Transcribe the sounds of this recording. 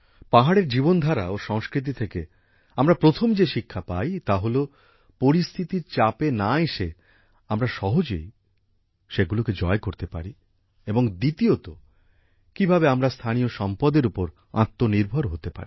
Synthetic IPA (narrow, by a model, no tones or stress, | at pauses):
paɦaɽeɾd͡ʑibond̪ʱaɾa̰oʃɔŋskɾit̪̬it̪ʰeke | amɾapɾot̪ʰomd͡ʑeʃikʰːapajt̪aɦolo | poɾist̪ʰit̪iɾt͡ɕapenaeʃe | amɾaʃɔɦod͡ʑḛj | ʃeɡuloked͡ʑɔekoɾt̪epa̰ɾi | eboŋd̪it̪iot̪o | kibʱabeamɾast̪ʰanijoʃɔmpɔd̪eɾupoɾ | ã̰t̪ːoniɾbʱoɾɦot̪epa̰ɾi